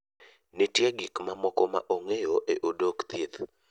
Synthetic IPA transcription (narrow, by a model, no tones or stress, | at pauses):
netjɛɡɪkmamɔkɔma̰ʔoŋejoʔeʔodokt̪it̪